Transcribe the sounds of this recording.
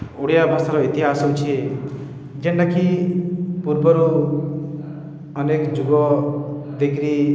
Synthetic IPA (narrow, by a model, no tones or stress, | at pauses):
uɽjabʱasaɾoit̪iɦasũnt͡ʃʰi | d͡ʒeɳɖakʰi | puɾbʌɾu | ʌnekd͡ʒuɡɔ | d̪ekɾi